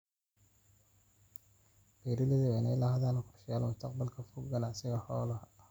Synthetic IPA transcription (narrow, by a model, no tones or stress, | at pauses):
b̥ɛɾɪlɪðɛwɛnɛlɐhɐðaːnkʰʊrʃɪjaːlmʊst̪ʰɐqbɐlkʰɐfuɡɡɐnaʕsɪɣɐhɔːlɐ